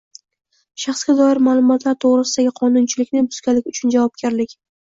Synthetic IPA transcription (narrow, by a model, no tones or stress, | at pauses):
ʃɑχsɡʲad̪ɒɪɾmaːlˠʊmɒt̪ʰlaɾt̪ʰoʁɾɪsɪd̪aɡʲɪqʰɒnʊnt͡ʃʰɪlɪkʲnɪbʊz̥kʲalɪkʲʊt͡ʃʰʊnd͡ʒavɒp̚ɡʲaɾlɪkʲ